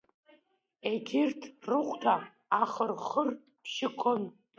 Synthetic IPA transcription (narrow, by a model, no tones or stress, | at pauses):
eɡʲɪrtʰrɨqʷʼtʰaː | χərχər | pʰʃɪkʷʰon